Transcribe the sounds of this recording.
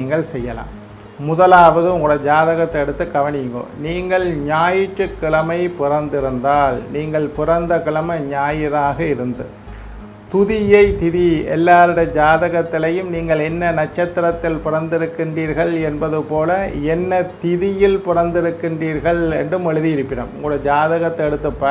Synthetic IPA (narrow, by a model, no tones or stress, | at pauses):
iːŋɡɐɭsɛjːɐla̰ːm | mʊðɐlaːʋɐðɯʊŋɡɯɽɐd͡ʒaːðɐɣɐt̪ːɐɛɽɯt̪ːɯkɐʋɐnɪŋɡo̰ːniːŋɡɐɭɲaːjɪʈːɯkːɪɭɐmɐɪpɪrɐnd̪ɪɾɯnd̪aːlniːŋɡɐɭpɪrɐnd̪ɐkɪɭɐmɐɲaːjɪɾaːɣɐɪɾɯnd̪ɯ | t̪ʊðɪjɐɪt̪ɪðiɛ̰lːaːɾɪɽɐd͡ʒaːðɐɣɐt̪ːɪlɐjɯmniːŋɡɐɭɛnːɐnɐʈ̚t͡ʃːɐt̪ːɪɾɐt̪ːɪlpɪrɐnd̪ɪɾɯkːɪɳdriːɾɣɐɭɛnbɐðɯpoːlɐɛnːɐt̪ɪðɪjɪlpɪrɐnd̪ɪɾɯkːɪɳdriːɾɣɐɭɛnɖɯmɛɻɯðɪjɪɾɯpːɪɽɐ̰mʊŋɡɯɽɐd͡ʒaːðɐɣɐt̪ːɐɛɽɯt̪ːɯpːɐ